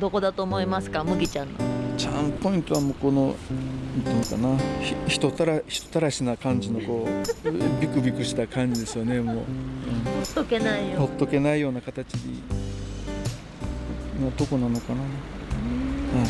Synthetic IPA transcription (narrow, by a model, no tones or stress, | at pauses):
d̪o̞ko̞d̪at̪o̞ːmo̞imasɨ̥kamɯ̟ɡʲit͡ɕãnːo̰t͡ɕãmpo̞ĩnt̪o̞βamoːko̞no̞nant̪ːenoka̰naçiçi̥t̪o̞t̪aɾaçi̥t̪o̞̥t̪aɾaɕinakãɲ̟d͡ʑino̞ko̞ː | bʲikɯ̟bʲikɯ̟ɕi̥t̪akãɲ̟d͡ʑid̪e̞sɨjone̞mo̞ːɯ̟̃ɴot̪ːokenaihot̪ːo̞ke̞naijo̞ːnakat̪at͡ɕiɲḭ | mad̪o̞ko̞nano̞kana | ha